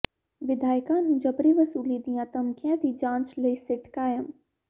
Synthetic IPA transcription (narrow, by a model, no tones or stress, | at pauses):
ʋɪd̪ʱaːjkaːnũd͡ʒɐbɾiʋɐsuːlid̪ijãːt̪ɐmkʰjãt̪id͡ʒãːnt͡ʃleːsɪʈkaːjəm